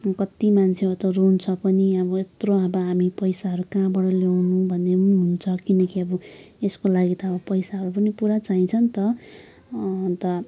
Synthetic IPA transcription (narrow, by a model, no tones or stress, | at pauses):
kʌt̪imant͡sʰeot̪ʌrunt͡sʰʌpʌniʌbʌet̪roabʌɦamipʌjsaɦʌɾukãbʌɽʌlewnũbʱʌnːemuɦunt͡sʰʌkinʌkiʌbʌ | eskolaɡit̪ʌːbʌpʌjsaɦʌɾupʌnipuɾat͡saĩt͡sʰʌnt̪ʌ | t̪ʌ